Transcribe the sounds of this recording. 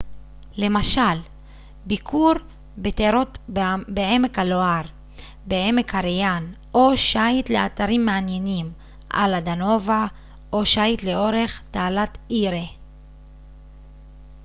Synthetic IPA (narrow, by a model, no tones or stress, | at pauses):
le̞maʃal | bikʰuɾ | beteɾot̪beemekhaloaʁ | beemekhaɾejan | ʔo̞ʃait̪leat̪aʁimːeanje̞nim | ʔa̰lad̪ano̞va | ʔoʃajit̪le̞o̞ɾe̞χt̪aːlat̪iɾe